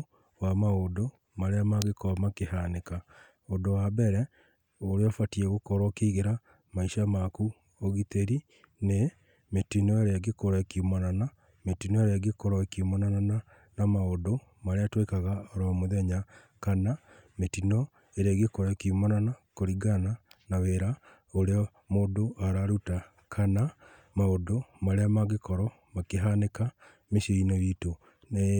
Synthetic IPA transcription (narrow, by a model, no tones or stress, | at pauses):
wamaodo | maɾeamaɣekɔmakehaneka | odowabɛɾɛ | oɾeɔfatiɛɣokɔɾɔkeiɣeɾa | maiʃamaku | oɣiteɾi | ne | metinɔeɾeaɡekoɾakiumanana | metinɔeɾeaɡekɔɾɔkiumɔnanana | namaodo | maɾeatwekaɣaoɾɔmoðɛɲa | kana | metinɔ | eɾaɡekoɾakiumɔnanakoɾiɡananaweɾa | oɾeɔ | moːdoʔaɾaɾuta | kʰana | maodomaɾeamaɡekɔɾɔ | makeɦaneka | meʃeinɔjito | n